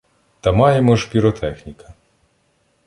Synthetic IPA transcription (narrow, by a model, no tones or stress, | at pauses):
t̪ɐmɑjemɔʒpʲiɾɔt̪ʰɛxnʲikɐ